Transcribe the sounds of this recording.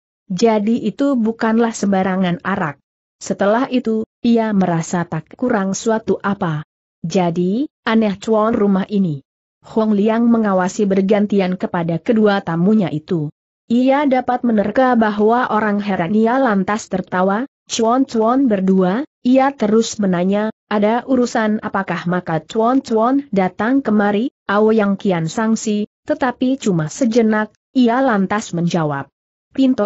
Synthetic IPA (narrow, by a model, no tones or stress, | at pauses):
d͡ʒadiʔit̪ubukanlahsəmbaɾaŋanaɾak̚ | sət̪əlahit̪uiaməɾasat̪akkuɾaŋsuat̪uʔapa | d͡ʒadiʔanɛht͡ʃwɔnrumahʔini | hɔŋliaŋməŋawasibərɡant̪iankəpadakəduat̪amuɲaʔit̪u | ʔiadapat̪̚mənərəkabaɦwaʔoɾaŋɦɛɾanialant̪ast̪ərt̪awa | t͡ʃɔnt͡ʃɔnbərdua | iat̪əɾʊsmənaɲaʔadaʔuɾusana̰pakahmakat͡ʃɔnt͡ʃwɔndat̪aŋkəmaɾiʔaujaŋkiansaŋsit̪ət̪apit͡ʃumasəd͡ʒənak̚ | ialant̪asməɲd͡ʒawa̰p̚ | pint̪ɔ